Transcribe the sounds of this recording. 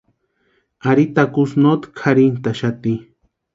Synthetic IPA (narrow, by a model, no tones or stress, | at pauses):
aɾit̪akusnot̪kʰaɾint̪aʃat̪i